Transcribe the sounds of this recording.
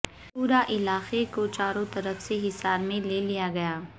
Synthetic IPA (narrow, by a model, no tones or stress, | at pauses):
puːɾaʔɪlaːxekot͡ʃaːɾõt̪ɐɾəfseɦɪsaːɾmẽleːlijaɡɐjaː